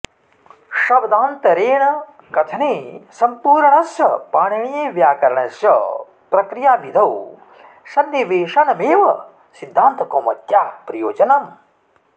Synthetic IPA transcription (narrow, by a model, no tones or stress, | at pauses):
ʃɐbd̪aːnt̪ɐɾeːɳɐ | kɐt̪ʰɐneːsɐmpuːɾɳɐsjɐpaːɳiɳijeːʋjaːkɐɾɐɳɐsjɐ̰ | pɾɐkɾijaːbid̪ʱɐw | sɐnːiʋeːʂɐɳɐmeːʋɐ | sid̪ʱːaːnt̪ɐkoːmɐ̰t̪jaːpɾɐjoːd͡ʒɐnaːm